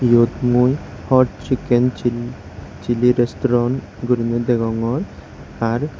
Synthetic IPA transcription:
jod̪muj | hɔʈ̚t͡ʃikent͡ʃi | t͡ʃiliɾesʈɔɾɔn | ɡuɾimed̪eɡɔŋɔɾ | aɾ

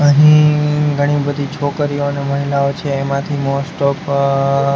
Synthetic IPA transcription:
əɦĩɡʱəɽ̃ibəd̪ʱit͡ʃʰokɾioneməɦilaot͡ʃʰeːmãt̪ʰimosʈɔf

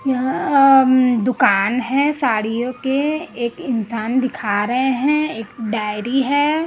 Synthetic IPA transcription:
j | d̪ʊkaːnɦɛ̃saːɽijõkeeːkɪnsaːnd̪ɪkʰaːɾɐɦeɦɛ̃eːkɖaːɪɾiɦɛː

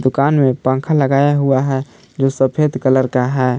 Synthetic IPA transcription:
d̪ukanmepãŋkʰaləɡajaɦuaɦɛ | d͡ʒosəpʰed̪kələɾkaɦɛ

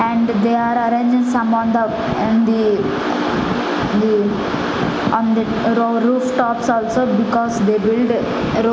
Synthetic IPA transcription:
ɛ̃ɳɖd̪eaːɾəɾẽːnd͡ʒɪ̃ŋsɐ̃mɔ̃nd̪̃ | nd̪i | d̪i | ɔ̃nd̪i | ɾoɾuːfʈɔːpsɔːlsobikɔːzd̪eːbɪlɖ | ɾo

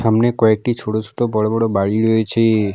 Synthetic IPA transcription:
amnekɔek̚ʈit͡ʃʰoʈot͡ʃʰo̥ʈobɔɽobɔɽobaɽiɾoet͡ɕʰe

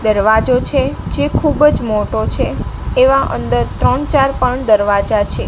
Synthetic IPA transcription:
d̪əɾʋad͡ʒot͡ʃʰed͡ʒekʰubd͡ʒmoʈot͡ʃʰeeʋãʔə̰nd̪əɾt̪ɾəɳt͡ʃaɾpəɳd̪əɾʋad͡ʒat͡ʃʰe

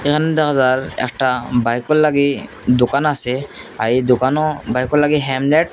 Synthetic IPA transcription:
ekʰanɛdɔɦazaɹɛ̰ktabajkɔlːaɡi | dʊkanasɛaɹidʊkanɔbajkɔlaɡiɦɛmlɛʈ̚

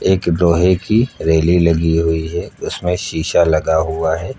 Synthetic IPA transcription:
eːkɖoːɦekiɾeːlilɐɡiɦʊiɦɛʊsmẽʃiːʃalɐɡaɦʊaɦɛː

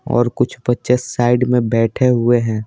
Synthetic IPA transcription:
ɔ̰ːɾkʊt͡ʃʰpɐtːt͡ʃəsːaːɪɖmẽbɛːʈʰeɦʊeɦɛ̃ː

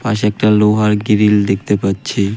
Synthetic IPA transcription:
paʃ̬ɛk̚ʈaloɦaɾɡiɾild̪ek̚ʰt̪epatːɕʰe

